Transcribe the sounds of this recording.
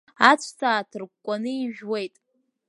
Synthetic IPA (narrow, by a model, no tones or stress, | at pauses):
at͡ɕʷʰsʰaːtʰɨrɡʷkʷʼanɨiʒᶣwe̞jtʼ